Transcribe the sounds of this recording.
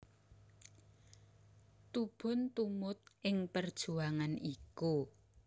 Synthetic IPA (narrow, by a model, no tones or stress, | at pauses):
t̪ub̥ʊ̤nt̪umʊt̪̚ʔɪŋpərd̥ʒ̥uaŋaniku